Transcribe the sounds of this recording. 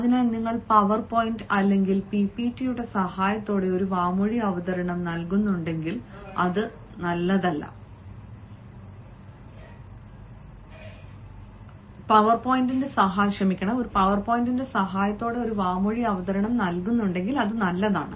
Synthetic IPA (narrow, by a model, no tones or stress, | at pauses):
ɐðinaniŋːɐɭpɐʋɐrpo̞ːjindɐlːe̞ŋɡilpipːitːijuɽe̞sɐhaːjɐt̪ːo̞ːɽe̞o̞ɾuʋaːmoɻiɐʋɐðɐɾɐɳɐmnɐlkunːuɳɖe̞ŋɡilɐðɨ | nɐlːɐðɐlːɐ̰ | pɐʋɐrpoːjindinde̞sɐɦaːjɐkɕrɐmikʲːɐɳɐmo̞ɾupɐʋɐrpoːjindinde̞sɐɦaːjɐt̪ːo̞ːɽe̞o̞ɾuʋaːmoɻiɐʋɐðɐɾɐɳɐmnɐlkunːuɳɖe̞ŋɡilɐðɨnɐlːɐða̰ːɳɨ̰